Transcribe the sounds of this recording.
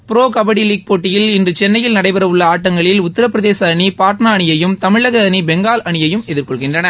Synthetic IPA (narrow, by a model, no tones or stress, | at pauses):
pɪɾoːkɐbɐɽiliːk̚poːʈːɪjɪlɪndrɯt͡ʃɛnːɐjɪlnɐɽɐɪpɐɾɐʋɯɭːɐaːʈːɐŋɡɐɭɪlʊt̪ːɪɾɐp̬ːɪɾɐðeːsɐɳipaːʈnaːɳɪjɐjɯmt̪ɐmɪɭɐɣɐɐnibɛŋɡaːlʔɐɳɪjɐjɯmɛðɪɾkɔɭɣɪndrɐnɐ